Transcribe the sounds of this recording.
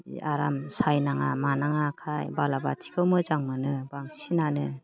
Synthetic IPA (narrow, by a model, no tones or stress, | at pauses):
aɾamsajnaŋa̰manaŋakʰajbalaba̰tʰi̥kʰɯwmɯzaŋmɯnɯbaŋsinanɯ